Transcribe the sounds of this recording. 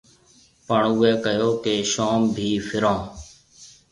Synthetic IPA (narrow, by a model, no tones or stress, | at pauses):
pəɳʊːeːkəjoːkeːʃaːmbʱiːfʰɪɾãː